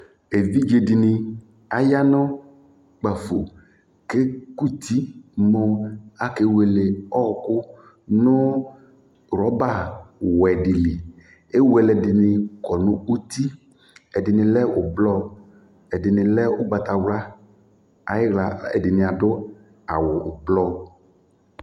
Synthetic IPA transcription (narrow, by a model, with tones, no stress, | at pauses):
e˨vi˦d͡ʒe˨dɪ˨nɪ˨ | a˨ja˦nɔ˦ | k͡pa˨fo˨ | ke˦ku˦t̪i˦mɔ˦a˨ke˨˦we˨le˨ɔ˦˨kʊ˦ | nʊ˦ | ɾɔ˨˦ba˦˨wɛ˨di˨li˨ | e˦wu˨ɛ˨lɛ˨dɪ˨nɪ˨kɔ˨nʊ̃˦u˦t̪i˦ | ɛ˨dɪ˨nɪ̃˨lɛ˦ʊ˨blɔ˦ | ɛ˨dɪ˨nɪ̃˨lɛ˦ʊ˦ɡ͡ba˨t̪a˨wla˦ | a˨jɪ˦ɣla˨ɛ̰˨dɪ˨nɪ̃˨a˨dʊ˦ | a̰˨wʊ˨blɔ˦